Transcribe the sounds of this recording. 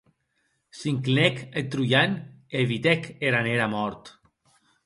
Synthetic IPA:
siŋklinɛket̪ɾujaneβit̪ɛkeɾaneɾamɔɾt̪

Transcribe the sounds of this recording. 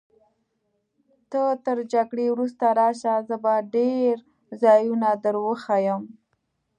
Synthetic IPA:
t̪ət̪əɾd͡ʒaɡɽewɾust̪aɾɑʃazəbaɖeɾ | zɑjunad̪əɾwəxajəm

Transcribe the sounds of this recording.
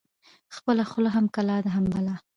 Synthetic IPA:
xpəlaxʊlaɦamkalɑd̪əɦambalɑ

